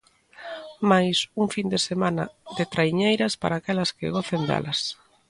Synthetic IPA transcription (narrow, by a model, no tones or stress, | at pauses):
majsuŋfind̪esemanɐ̰ðet̪ɾaiɲejɾɐspa̰ɾaːkɛlɐskɪ̰ɣɔθend̪ɛ̰lʔɐs